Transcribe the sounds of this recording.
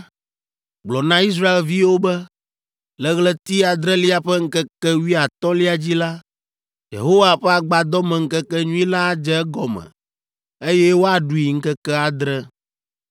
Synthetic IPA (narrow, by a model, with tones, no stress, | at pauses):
ɡ͡blɔ˨nã˦i˦s̬ɾa˦e˨lvi˦wo˦bɛ˦ | lɛ˦ɣlɛ˦t̪i˦a˨d̪ɾɛ˦li˦a˨ɸɛ˦ŋ̩˦kɛ˦kɛ˦wi˦a˨t̪ɔ̃˦li˦a˨d͡ʑi˦la˦ | jḛ˨ɦo˦wa˨ɸɛ˦a˨ɡ͡ba˨a˨d̪ɔ˦mɛ̃˨ŋ̩˦kɛ˦kɛ˦ɲũ˦i˦la˦d͡ʒɛ˦ɛ˦ɡɔ˨mɛ̰̃˨ | e˦jɛ˦wo˦a˨ɖu˨i˨ŋ̩˦kɛ˦kɛ˦a˨d̪ɾɛ˦